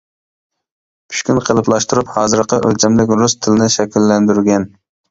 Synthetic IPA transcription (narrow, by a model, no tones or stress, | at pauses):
pʰy̥ʃkʲynqʰəlˠɨplˠɑʃt̪uɾuphɑːzɨɾqəʔølt͡ʃʰɛmlɪkʲɾust̪ʰɪlɪnɪʃɛkʲilːɛnd̪yɾɡʲɛn